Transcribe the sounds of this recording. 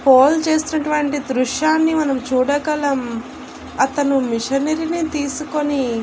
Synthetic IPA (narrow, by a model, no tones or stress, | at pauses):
poːlt͡ʃe̞ːst̪unɐʈuʋɐɳʈid̪ɾuʂjaːnːimɐnɐmt͡ʃuːɽɐɡɐlɐm | ɐt̪ɐnumiʂɐnɐɾinit̪iːsuko̞ni